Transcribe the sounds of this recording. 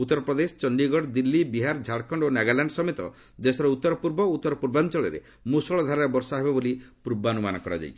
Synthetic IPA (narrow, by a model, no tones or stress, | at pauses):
ut̪ːɔɾɔpɾɔd̪esɔ̥t͡ʃɔɳɖiɡɔɽd̪ilːibiɦaɾd͡ʒʱaɽkʰɔɳɖonaɡalaɳɖsɔmet̪ɔ̰ | d̪esɔɾɔut̪ːɔɾɔpuɾbɔut̪ːɔɾɔpuɾbant͡ʃɔɭɔɾḛ | musɔɭɔd̪ʱaɾabɔɾsɔɦebebolipɾubanumanɔkɔɾa̰d͡ʒa̰jt͡ʃʰi̥